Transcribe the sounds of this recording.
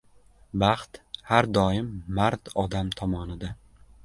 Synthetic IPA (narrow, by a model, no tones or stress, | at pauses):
bɑχt̪haɾd̪ɒɪmːaɾt̪ɒd̪amt̪ʰɒmɒnɪd̪a